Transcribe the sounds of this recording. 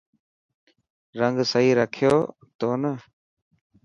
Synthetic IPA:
ɾəŋɡsəɦiːɾəkʰɪjoː | t̪oːnə

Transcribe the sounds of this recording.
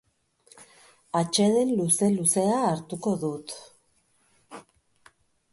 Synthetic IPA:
at͡ʃe̞ðe̞nluse̞luse̞aːɾt̪uko̞ðut̪

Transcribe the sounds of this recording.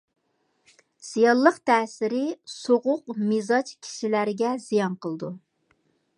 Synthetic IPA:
z̥ijɑlˠːəqt̪ʰɛːsɪɾɪsoʁʊqmizɑt͡ʃkʲʰi̥ʃilæɾɡʲɛzijɑnqʰəlˠɨd̪u

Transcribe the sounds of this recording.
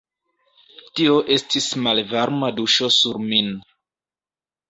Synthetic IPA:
tio̞ʔe̞stismalvaɾmaduʃo̞suɾmin

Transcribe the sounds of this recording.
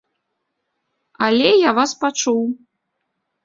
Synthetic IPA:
alʲɛjavaspat͡ʂuw

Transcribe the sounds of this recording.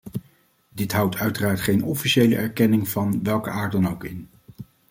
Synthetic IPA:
dɪtɦʌwtʰœɥtəraːɹtχejnɔfiʃejlə̰ʔɛɹkɛnɪŋv̥ɑnʋɛlˠkəʔaːɹt̚dɑnowkɪn

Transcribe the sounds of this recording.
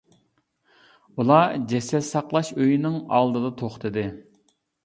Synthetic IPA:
ulˠɑd͡ʒɛsɛsɑqlˠɑʃøjinɪŋɑlˠd̪ɨd̪ɑt̪ʰoχt̪ʰɨd̪ɪ

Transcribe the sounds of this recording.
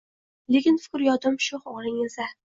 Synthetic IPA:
lekʲɪnfɪ̥kʲɾjɒd̪ʊmʃʊhoʁɾɪŋɪzd̪a

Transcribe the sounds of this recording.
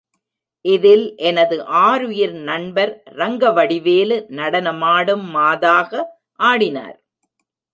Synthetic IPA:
ʔɪðɪlʔɛnɐðɯʔaːɾɯjɪɾnɐɳbɐɾːɐŋɡɐʋɐɽɪʋeːlɯnɐɽɐnɐmaːɽɯmːaːðaːɣɐ | ʔaːɽɪna̰ːɾ

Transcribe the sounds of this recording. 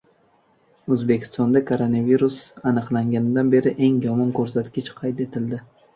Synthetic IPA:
ɵzbekʲʰɪ̥st̪ɒnd̪akʰoɾonaviɾusanɨqlˠaŋɡʲanɪd̪anbe̞ɾɪʔe̞ŋjɒmɒnkʰɵɾsat̪kʲɪt͡ʃqʰɑjt̪e̞t̪ʰɪld̪ɪ

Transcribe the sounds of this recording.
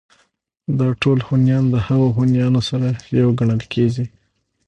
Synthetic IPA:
d̪ɑʈolhunjɑnd̪əhaɣoxunjɑnosaɾajawɡaɳəlkʰeɡi

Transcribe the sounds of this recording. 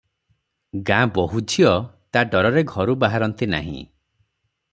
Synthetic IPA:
ɡãbɔɦud͡ʒʱʰiɔt̪aɖɔɾɔɾeɡʱɔɾubaɦaɾɔnt̪ina̰ɦḭ̃

